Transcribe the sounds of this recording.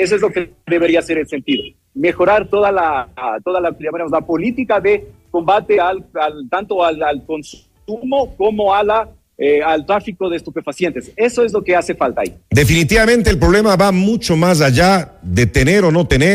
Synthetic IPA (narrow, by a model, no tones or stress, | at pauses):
es̬oe̞zlo̞keðe̞βe̞ɾiase̞ɾelse̞nt̪iðo̞ | me̞xo̞ɾaɾt̪o̞ðalat̪o̞ðalaamaɾemolapo̞lit̪ikaðe̞ko̞mbat̪e̞alalt̪ant̪o̞alalko̞ns | umo̞ko̞mo̞ala | ealt̪ɾafiko̞ðeːst̪upe̞fasje̞nt̪ese̞so̞e̞zlo̞ke̞ase̞falt̪a̰ḭd̪e̞finit̪iβamẽ̞nt̪eːlpɾo̞βle̞maβamut͡ʃo̞mas̬aʝaðe̞t̪ene̞ɾo̞no̞t̪e̞ne